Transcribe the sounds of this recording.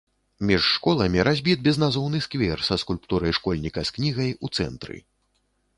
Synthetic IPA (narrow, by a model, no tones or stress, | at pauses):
mʲiʂːkɔlˠɐmʲiɾʔazʲbʲit̪̚bʲɛznazɔwnɨskvʲɛrsɐskulʲpt̪uɾɐjʂkɔlʲnʲikɐsknʲiɣɐjut̪sɛ̰nt̪ɾɨ̰